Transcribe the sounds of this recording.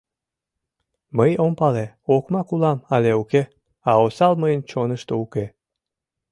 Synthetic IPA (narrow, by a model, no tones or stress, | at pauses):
məjompɑle | okmɑkulɑmɑleuke | ɑosɑlməjənt͡ɕonəʃt̪ouke